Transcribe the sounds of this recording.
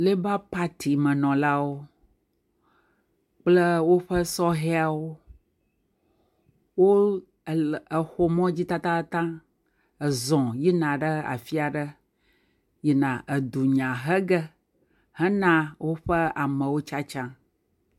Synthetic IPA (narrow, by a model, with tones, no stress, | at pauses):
le˦ba˦pa˦t̪ʰi˨mə̃˨nɔ̃˨la˦wo˦ | k͡plə˦wo˦ɸə˦sɔ˦ɦe˦a˨wo˦ | wo˦˨ | ə˨xo˦mɔ̃˦d͡ʑi˦t̪ã˦t̪ã˦t̪ã˦ | ə˨zɔ̃˨ji˦nã˨ɖə˦a̰˨fi˦a˨ɖə˦ | ji˦nã˨ʔə˨d̪u˨ɲã˨ɦə˦ɡə˦ | hə˦nã˦wo˦ɸə˦a˨mə̃˨wo˦t͡ʃa˦t͡ʃã˦